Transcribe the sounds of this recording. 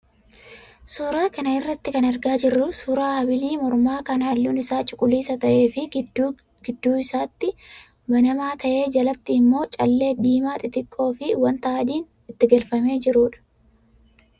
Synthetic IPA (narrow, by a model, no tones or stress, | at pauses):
suːɾaːkɐnɐɪrːɐt̪ːɪkɐnɐɾɡaːd͡ʒɪrːʊsuːɾaːhɐbɪliːmɔɾmaːkɐnaːlːuːnɪsaːt͡ʃʼʊkʼʊliːsɐt̪ɐʔe̞ːfɪ | ɡɪd̪ːuːɪsaːt̪ːɪ | bɐnɐmaːt̪ɐʔe̞ːd͡ʒɐlɐt̪ːɪːmːo̞ːt͡ʃʼɐlːe̞ːd̪iːmaːt̪ʼɪt̪ɪkʼːo̞ːfɪwɐnt̪aaːd̪iːn | ɪt̪ːɪɡɐlfɐme̞ːd͡ʒɪɾuːᶑɐ̥